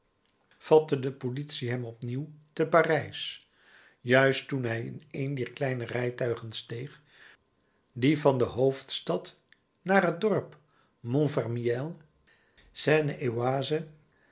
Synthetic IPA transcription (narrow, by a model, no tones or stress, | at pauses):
v̥ɑtədəpolitsiɦɛmɔpniwtəpaːrɛjs | jœɥstunɦɛjɪ̰nejndɛːɹklɛjnərɛjtœɥχənstejχ | divɑndəɦowftstɑt | naːrɦət̚dɔɹp | mɔnvɛrmiɛlˠ | sɛːnəʔewaːzə